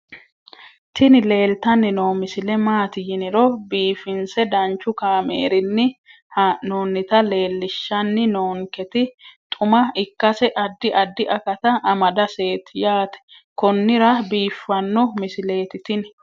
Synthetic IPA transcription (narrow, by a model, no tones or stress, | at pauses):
t̪ɪnɪle̞ːlt̪ɐnːɪnoːmɪsɪlɛmaːt̪ɪjɪnɪɾɔbiːfɪnsɛd̪ɐnt͡ʃːʊkaːmḛːɾɪnːɪ | noːnːɪt̪ɐle̞ːlːɪʃːɐnːɪnoːŋkɛt̪ɪt̪ʼʊmɐɪkːɐsɛʔɐd̪ːɪʔɐd̪ːɪʔɐkɐt̪ɐʔɐmɐd̪ɐse̞ːt̪ɪjaːt̪ɛ̥ | kɔnːɪɾɐbiːfːɐnːɔmɪsɪle̞ːt̪ɪt̪ɪn